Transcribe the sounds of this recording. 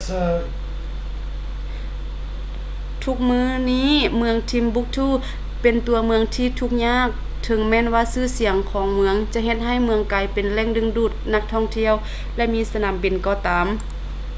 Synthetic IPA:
t̪ʰu˧˥k̚mɯː˧˥niː˧˥˨mɯ˧əŋt̪ʰi˧˥mbu˧˥k̚t̪ʰuː˧˥˩ | pe˨˩nt̪u˨˩ɐmɯ˧əŋt̪ʰiː˧˩t̪ʰu˧˥k̚ɲaː˧˥˨k̚ | t̪ʰɤ˨˧˦ŋmɛː˧˥˨nwaː˧˥˨sɯː˧˥˨si˨˦əŋkʰɔː˨˦ŋmɯ˧əŋt͡ɕa˧˦ɦe˧˩t̪̚ɦa˧˩jmɯ˧əŋkaː˨˩jpe˨nlɛː˧˥˨ŋdɯ˧˨ŋduː˧˩t̪̚na˧k̚t̪ʰɔ˧˩ŋt̪ʰi˧˥˨əw | lɛ˧˩miː˧˥˨sa˧naː˨˦mbi˨nkɔː˧˩t̪aː˨m

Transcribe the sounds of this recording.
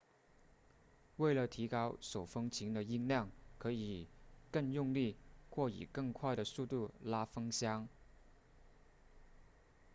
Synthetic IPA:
we˥˩ɪlə˩t̪ʰi˧˥kɑ˥ʊʂo˨˩ʊfɤ˥ŋt͡ɕʰi˧˥ŋd̪ə˧i˥ŋljɑ˥˩ŋkʰɤ˧˥i˨˩kɤ˥˧ŋjʊ˥˧ŋli˥˧xwɔ˥˩ḭ˨˩kɤ˥˧ŋkʰwa˥˩ɪɾə˩su˥˧t̪u˥˩la˥fɤ˥ŋɕjɑ˥ŋ

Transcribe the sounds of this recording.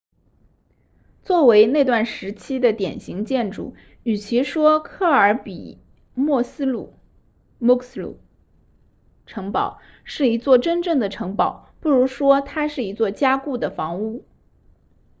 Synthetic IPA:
t͡swɔ˥˩we˧˥ɪne˥˧ɪt̪wa˥˩nʂɻ̩˧˥t͡ɕʰi˥d̪ə˨t̪jɛ˨˩nɕi˧˥ŋt͡ɕjɛ˥˩nʈ͡ʂṵ˥˩ | y˨˩t͡ɕʰi˧˥ʂwɔ˥kʰɤ˥˩ə˞˧˥pḭ˨˩ | mwɔ˥˩sɹ̩˥lu˥˩ | mu˥kslṵ˨˩ | ʈ͡ʂʰɤ˧˥ŋpɑ˨˩ʊ | ʂɻ̩˥˩i˧˥t͡swɔ˥˩ʈ͡ʂə˥nʈ͡ʂɤ˥˩ŋd̪ə˩ʈ͡ʂʰɤ˧˥ŋpɑ˨˩˦ʊpu˥˩ɻu˧˥ʂwɔ˥t̪ʰa˥ʂɻ̩˥˩i˧˥t͡swɔ˥˩t͡ɕja˥ku˥˩d̪ə˩fɑ˧˥ŋu˥˩

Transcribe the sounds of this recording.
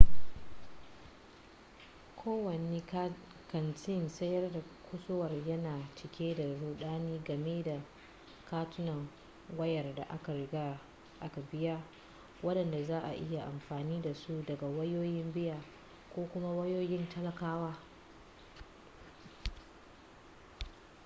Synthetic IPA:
kʷʰoː˦wɐ˨ne˦ | kɐ˨nt͡ʃɪ˦nsɐ˦jɐ˦rda˨kʷʊ˦sʊ˦wɐ˨rjɐ˦naː˨t͡ʃɪ˨kʲʰeː˦da˨ɽuː˨ɗaː˦niː˦ɡɐ˨meː˦da˨ | kaː˦tʊ˦nɐ˨ŋ | wɐ˦jɐ˨rda̰˨ʔa˦ka˨ɾɪ˨ɡaː˦ | ʔa˦ka˨bɪ˦jaː˦ | wɐ˦ɗɐ˨nda˨zaː˦ʔa̰˨ʔɪ˦ja˨ʔa˨mɸaː˨niː˦da˨su˦dɐ˨ɡa˨wɐ˦joː˦jɪ˦mbɪ˦ja˨ | kʷoː˦kʷʊ˦ma˦wɐ˦joː˦jɪ˦ntʰɐ˦lɐ˦kaː˦waː˦

